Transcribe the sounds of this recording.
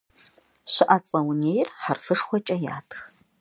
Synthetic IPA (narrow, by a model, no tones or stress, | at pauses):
ɕɪʔat͡sʼɐwneːjɪrħarfɨʂxʷɔt͡ʃʼɐja̰ːtʰx